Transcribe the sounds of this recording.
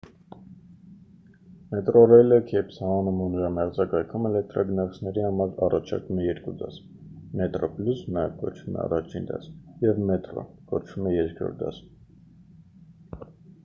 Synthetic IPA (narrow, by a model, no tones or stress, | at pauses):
mɛt̪rɔrɛjləkʰɛpshɑmɑnumunəɾɑmɛʁd͡zɑkɑjkʰumɛlɛk̚t̪ɾɑɡənɑt͡sʰnɛɾihɑmɑɾɑrɑt͡ʃʰɑ̰ɾkumɛjɛɾkud̪ɑs | mɛt̪rɔpljusnɑjɛ̰vkɔ̰t͡ʃʰvumɛ̰ɑ̰rɑt͡ʃʰind̪ɑ̰sjɛvmɛt̪rɔ̰kɔt͡ʃʰvumɛjɛɾkʰɾɔ̰ɾ̚d̪ɑ̰s